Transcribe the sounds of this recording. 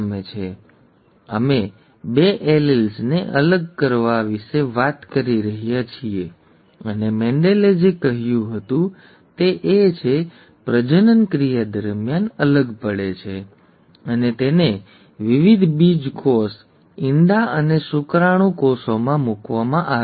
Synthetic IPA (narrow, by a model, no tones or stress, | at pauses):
met͡ʃʰe | ə̰me | beʔelelsneʔələɡ̚kəɾʋaʋiʃeʋat̪kəɾiɾəɦjat͡ʃʰie | ənemɛ̃ɳɖeled͡ʒekəɦjũɦət̪ũ | t̪eʔet͡ʃʰe | pɾəd͡ʒənənkɾijad̪əɾmjanələɡpəɽet͡ʃʰe | ənet̪ene | ʋiʋid̪ʱbid͡ʒkos | ɪnd̪aənesukɾaɽ̃ũkosomãmukʋamãʔa